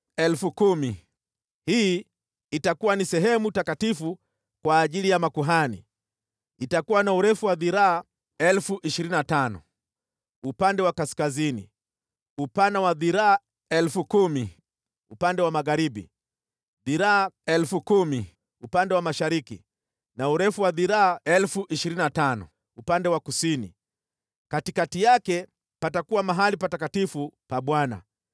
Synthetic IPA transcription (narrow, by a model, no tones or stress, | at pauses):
ɛlfukumi | hi | itakuwanisɛɦɛmutakatifu | kwaːʄilijamakuɦani | itakuwanauɾɛfuwaðiɾaː | ɛlfuʔiʃiɾininatanɔ̰ | upandɛwakaskazinḭ | upanawaðiɾaː | ɛlfukumi | upandɛwamaɣaɾiɓḭ | ðiɾaːɛlfukumi | upandɛwamaʃaɾiki | nauɾɛfuwaðiɾaːɛlfuʔiʃiɾininatanɔ̰ | upandɛwakusini | katikatijakɛ | patakuwamaɦalipatakatifupaɓwana̰